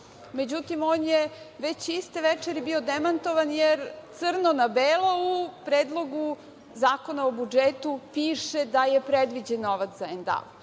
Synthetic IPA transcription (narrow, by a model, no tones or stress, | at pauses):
me̞d͡ʑut̪imoːnje | ʋet͡ɕist̪eʋɛt͡ʂeɾibiod̪emant̪o̞ʋanjeɾt̪sɨr̩nonabeːlaupɾeːd̪lˠo̞ɡu | zaːko̞naobud͡ʒet̪upiːʃed̪ajepɾed̪ʋid͡ʑenːoʋat̪zaend̪a̰l